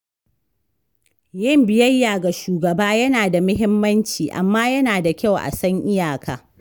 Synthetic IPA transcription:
jɐ˦mbɪ˨jɐ˦jːaː˨ɡa˨ʃuː˨ɡɐ˨baː˦jɐ˦naː˨da˨mʊ˦ɦɪ˦mːɐ˦nt͡ʃiː˨ʔa̰˨mːaː˦jɐ˦naː˨da˨kʲa˦˨wʔa̰˨sɐ˦ŋʔɪ˦jaː˨kʰa̰ː˨

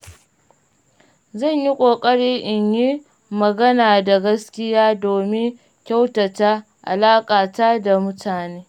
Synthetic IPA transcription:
zɐ˦˨ɲji˦kʷʼoː˨kʼɐ˦ɽiː˦ʔɪ˨ɲji˦ | mɐ˨ɡɐ˦naː˨da˨ɡɐ˦skʲɪ˦jaː˦doː˨mɪ˦ŋ | kʲa˦wtɐ˨ta˦ | ʔa̰˨laː˦kʼaː˨taː˦da˨mʊ˦tʰaː˨neː˦

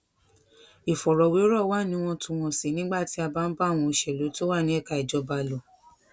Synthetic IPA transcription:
i˨fɔ˨ɾɔ˨we˨˦o˦ɾɔ˦˨˦wa˦˨nĩ˨˦w̃ɔ̃˧tũ˨˧˨w̃ɔ̃˧˨si˨nĩ˦ɡ͡ba˦˨ti˨˦a˧ba˦n̩˦ba˦˨w̃ɔ̃˧i˧ʃɛ˨lo˨˦to˦wa˦˨nĩ˦ɛ˦˨ka˧˨i˨d͡ʒɔ˧˦ba˧lo˨

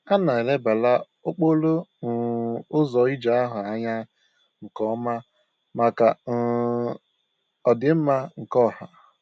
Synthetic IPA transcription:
a˦na˨e˨le˦ba˨la˦ | ʊ˦k͡po˦lo˦n̩˨ʊ˦zɔ˨i˦d͡ʒa˨a˦ɦʊ˨a˦ɲa˦ | ŋ̩˨kɔ˦ma˦ | ma˨ka˨n̩˨ | ɔ˨dɪ˨m̩˦ma˦ŋ̩˨kɔ˦˨ha˨

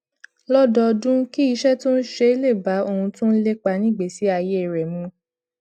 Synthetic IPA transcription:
lɔ˦dɔ˧dũ˦ki˦i˧ʃɛ˦tũ˦n̩˦ʃe˧i˦le˦˨ba˨˦o˧hũ˧tũ˦n̩˦le˦k͡pa˧nĩ˦˨ɡ͡be˨˦si˨˦a˧je˦˨ɾɛ˨mũ˨˧˦

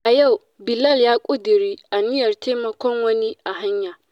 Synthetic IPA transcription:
ʔa˨ja˦˨w | bɪ˨lɐ˦˨ljaː˦kʷʼʊ˦dɪ˨ɾiː˦ʔa˨nɪ˦jɐ˨rteː˦mɐ˨kʷɔ˦ŋwɐ˦ni˦ʔa˨ɦa˦ɲjaː˨

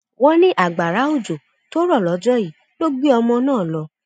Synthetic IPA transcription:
wɔ̃˦nĩ˦ʔa˦˨ɡ͡ba˨ɾa˨˦o˦˨d͡ʒo˨ | to˦ɾɔ˦˨lɔ˨˦d͡ʒɔ˦ji˨˦ | lo˦ɡ͡be˦ɔ˧mɔ̃˧nãː˦˨lɔ˧˦

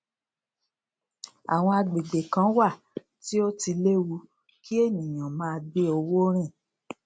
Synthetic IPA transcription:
a̰˨w̃ɔ̃˧a˧ɡ͡be˨ɡ͡be˨kã˦wa˦˨ | ti˦o˦ti˧le˦wu˧ | kʰi˦e˦˨nĩ˨j̃ã˨mãː˦˧ɡ͡be˦o˧wo˦ɾ̃ĩ˦˨

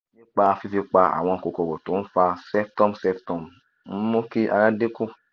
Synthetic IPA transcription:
nĩ˦k͡pa˧fi˧fi˧k͡pa˧a̰˨w̃ɔ̃˧˨ko˨ko˨ko˨to˨˦fa˧sɛ˦p̚tɔ˦msɛ˦ptɔ˨m̩˦ | mo˦ki˦ʔa̰˧˨ɾã˦de˦ku˦

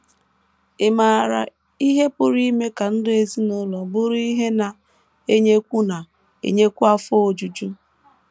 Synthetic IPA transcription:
e˨ma˨ɾa̰˨ | i˦ɦe˦pʊ˨ɾi˦me˦ka˨n̩˦de˨zi˦no˦lɔ˨bʊ˦ɾi˦ɦe˦na˨ | e˦ɲe˦kʷu˦na˨ | ḛ˨ɲe˦kʷu˦a˦fo˦o˨d͡ʒu˨d͡ʒu˦

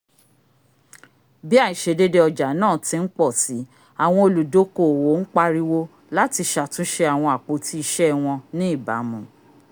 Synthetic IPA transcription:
bi˦a˦˨i˨ʃe˨˧˦de˦de˧˦ɔ˧d͡ʒa˨˦nãː˦˨tĩ˧˦n̩˦k͡pɔ˦˨si˨˦ | a˨w̃ɔ̃˧o˧˨lu˨do˨˦ko˦˨wo˨˦ŋ̩˦k͡pa˦ɾi˦wo˦ | la˦ti˧ʃa˨tũ˦ʃe˦a˨w̃ɔ̃˧a˨k͡po˧tʰi˦i˧ʃɛ˦w̃ɔ̃˧nĩ˦i˦˨ba̰˨˦mũ˨

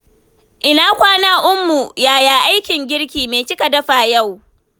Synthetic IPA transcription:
ʔɪ˨naː˦kʷaː˦naː˦ʔʊ˦mːu˨jaː˨jaː˨ʔa˦jkʲɪ˨ŋɡʲɪ˦ɽkʲiː˨meː˨t͡ʃɪ˦ka˨dɐ˦ɸaː˨ja˦˨w

